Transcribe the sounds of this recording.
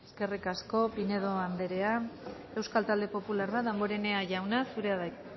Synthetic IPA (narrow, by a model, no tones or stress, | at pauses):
eske̞rikasko̞pine̞ð̞o̞and̪e̞ɾe̞a | e̞wskalt̪ald̪e̞po̞pulaɾβat̪aŋɡoɾe̞ne̞aʝawnasuɾe̞aða